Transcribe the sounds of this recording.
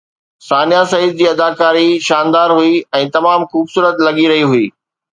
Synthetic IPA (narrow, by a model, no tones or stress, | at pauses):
saːnijasɐid̪̚d͡ʑiːɐd̪aːkaːɾiʃaːnd̪aːɾɦuiɛ̃ːt̪ɐmaːmxuːbsuːɾət̪lɐɠiɾɐɦiɦʊiː